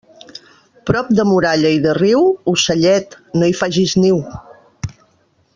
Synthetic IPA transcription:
pɾɔp̚d̪əmuɾaʎəiðəriwusəʎɛt̪ | noifaʒizniw

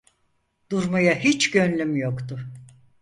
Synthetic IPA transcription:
d̪̥uɾmujaɦit͡ʃɟønlʲymjokt̪ʰʊ

